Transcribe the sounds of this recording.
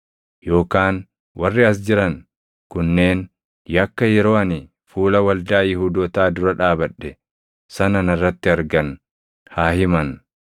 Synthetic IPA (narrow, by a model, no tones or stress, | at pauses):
jo̞ːkaːn | wɐrːɪɐs̬d͡ʒɪɾɐn | kʊnːe̞ːn | jɐkːɐjɛɾo̞ːɐnɪ | fuːlɐwɐld̪aːjɪɦuːd̪ɔt̪aːd̪ʊɾɐᶑaːbɐᶑːɛ | sɐnɐnɐrːɐt̪ːɪɐɾɡɐn | haːhɪmɐn